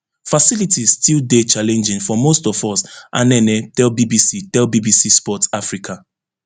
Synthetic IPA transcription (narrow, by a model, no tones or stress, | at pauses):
fasilitizstildet͡ʃalɛ̃nd͡ʒɪ̃ŋfɔmostɔvɔsʔãnɛnɛtɛlbibisitɛlbibisispɔtafɹikʰa